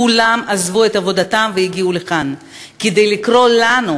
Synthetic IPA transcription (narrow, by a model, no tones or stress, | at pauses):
ulamazvuet̪avo̞d̪atamvejiɡiuleχan | ked̪ejlikʁo̞lanu